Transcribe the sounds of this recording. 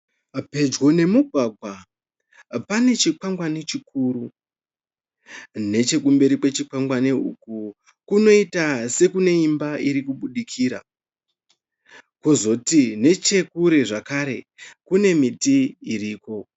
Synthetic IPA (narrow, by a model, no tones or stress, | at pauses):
pe̞d͡ʒɡo̞ne̞muɡʱwaɡʱwa | pane̞t͡ʃikwaŋɡwane̞t͡ʃikuːɾu | ne̞t͡ʃe̞kumbe̞ɾipwe̞t͡ʃikwaŋɡwaneṵku | kuno̞itase̞kune̞imbaiɾikuɓuɗikʰiːɾa̰ | kozo̞tine̞t͡ʃe̞kuɾe̞ʐakaɾe̞ | kune̞mitiiriːko̞